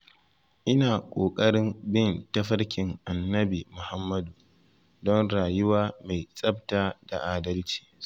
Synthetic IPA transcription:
ʔɪ˦naː˨kʷʼoː˨kʼɐ˦ɽɪ˦mbɪ˦ntɐ˦ɸɐ˦ɽkʲɪ˨ŋʔa˨nːɐ˦bi˨mʊ˨ha˦mːɐ˦du˨ | dɔ˦nɽaː˨jʊ˦waː˦ma˨jsʼɐ˦b̚taː˨d̥a˨ʔaː˨dɐ˦lt͡ʃi̥ː˦˨

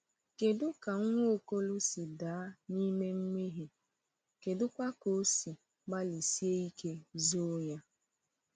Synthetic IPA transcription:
ke˨dʊ˦ka˨ŋ̩˦ŋʷo˦o˨ko˦lʊ˦si˨daː˨˦ni˦me˦ŋ͡m̩˦me˦ɦi˨ | ke˨dʊ˦kʷa˦ko˨˦si˨ | ɡ͡ba˦li˨si˦e˦i˦ke˦zo˦ɲa˦

